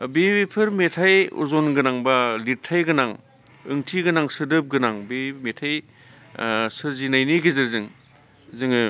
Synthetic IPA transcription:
bebipʰɯɾmetʰajṵzonɡɯnaŋbalitʰajɡɯnaŋ | ɯ̰ŋtʰiɡɯnaŋsɯdɯp̚ɡɯnaŋbemetʰaj | sɯɾzinajniɡizɯɾzɯŋ | zɯŋɯ

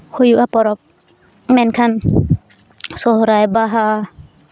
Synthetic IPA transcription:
hujuʔapɔɾɔp̚ | mɛnkʰan | sɔɦɾajbaɦa

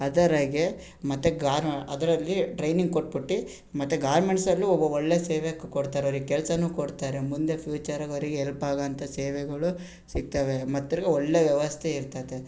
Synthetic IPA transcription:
ɐd̪ɐɾɐɡe̞ | mɐt̪ːeɡaːɾɐd̪ɐɾɐlːiɖɾɐjniŋɡkoʈ̚ːbiʈːi | mɐt̪ːeɡaːɾmeɳʈsɐlːiɔbːɐɔɭːeseːʋeɐkːukoɖt̪aːɾeoɾiɡekɛlɐsɐnuːkoɖt̪aːɾemund̪e̞pʰjuːt͡ʃɐɾɐɡoɾiɡeːlpaːɡɐnt̪ɐseːʋɛɡɐɭu | siɡ̚t̪ɐʋe̞mɐt̪ːoɾiɡeɔɭːeʋjɛʋɐst̪ʰeiɾt̪ad̪e

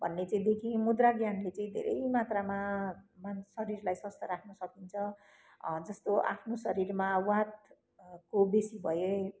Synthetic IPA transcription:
bʱʌ̰nːet͡saĩd̪ekʰĩmud̪raɡjanlet͡saĩd̪ʱḛɾʔʌ̰jjmat̪ramamansʌɾirlajsʌst̪ʌɾakʰnʌsʌkint͡sʰʌ | d͡zʌst̪oʔa̰pʰnosʌɾirmawat̪̚ | kobesibʱʌje

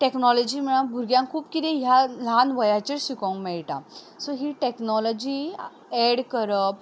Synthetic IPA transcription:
ʈeknɔlɔd͡ʑiːm̤əɽ̃abʱuɾɡjãŋkʰuːpkit̪eɦjalanʋəjat͡ɕeɾɕikõŋkmeɭʈã̰ | sɔɦiʈeknɔlɔd͡ʑiː | ɛɽkəɾəp

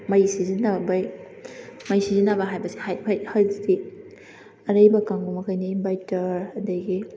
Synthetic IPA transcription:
mɐjsizinabɐj | mɐjsizinabɐɦajbɐsi̥hajpʰajhajddi | ɐɾɐjbɐkaŋɡumɐkʰajniːmbajtɐɾɐdɐɡi

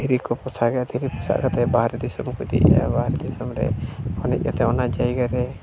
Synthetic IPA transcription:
d̪ʱiɾikɔpɔsaɡad̪ʱiɾipɔsa̰ʔkat̪ɛbaɦɾɛd̪isɔmkud̪ɛ̰ʔja̰baɦɾɛd̪isɔmɾɛ̰ɔnɛ̰c̚ˀkat̪ɛɔnad͡ʒajɡaɾɛ

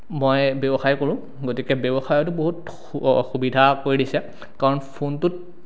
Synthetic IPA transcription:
mojbebɔxajkoɹʊ̃ | ɡotikɛbebɔxajɔt̬ʊboɦut | xubidʱakoɹidisɛ | kaɹɔnpʰontʊt̚

